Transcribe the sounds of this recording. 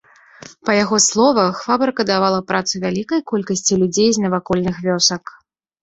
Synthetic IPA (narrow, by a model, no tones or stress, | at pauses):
pɐjaɣɔslˠɔvɐxvabɐrkɐd̪avalˠɐpɾʔat̪sɨvʲalʲikɐjkɔlʲkɐsʲt͡sʲilʲud͡zʲejznɐvakɔlʲnɨxvʲɔsɐk